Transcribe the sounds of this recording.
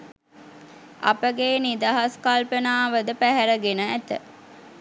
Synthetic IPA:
ʔɐ̰pəɡeːnid̪aɦɐskalpənaːʋəd̪əpæɦæɾəɡenəæt̪ə

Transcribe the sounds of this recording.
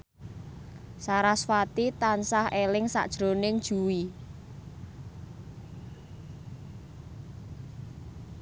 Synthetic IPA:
saɾaswat̪it̪ansahelɪŋsa̰ʔd̥ʒ̥ɾonɪŋd̥ʒ̥uwi

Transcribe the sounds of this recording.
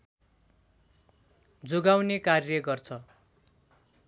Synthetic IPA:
d͡zoɡawnekarjʌɡʌrt͡sʰʌ

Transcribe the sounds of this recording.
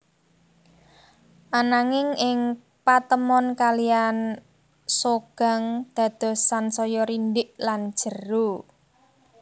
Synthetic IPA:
ʔanaŋɪŋɪŋ | pat̪əmɔnkalijan | soɡ̥a̤ŋd̪̥ä̤d̪̥ɔ̤sansɔjɔɾindɪʔlan̥ʒ̥ə̤ru

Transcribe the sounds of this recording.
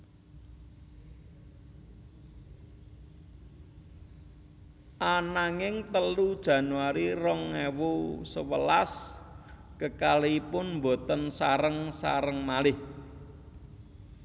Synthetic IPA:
ʔanaŋɪŋt̪əlud̥ʒ̥ä̤nuwaɾirɔŋːewosəwəlas | kəkaliipʊnmbo̤t̪ənsaɾəŋsa̰ɾəŋmalɪh

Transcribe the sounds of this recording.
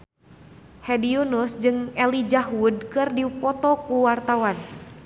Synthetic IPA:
hɛdiunusd͡ʒɨŋɛlid͡ʒaɦud̚kɨrdipɔt̪ɔkuwart̪awan

